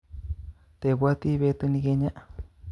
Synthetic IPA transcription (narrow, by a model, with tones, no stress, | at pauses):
t̪e˨βwa˦t̪i˦βe˧t̪u˧nĩ˧ke˧ɲã˦ʔ